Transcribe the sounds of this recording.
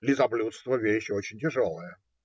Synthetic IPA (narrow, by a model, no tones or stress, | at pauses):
lʲɪzɐblʲut̪st̪vəvʲeɕot͡ɕɪnʲtʲɪʐolˠəjə